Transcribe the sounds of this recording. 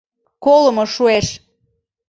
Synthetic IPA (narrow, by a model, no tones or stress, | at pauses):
koləmoʃueʃ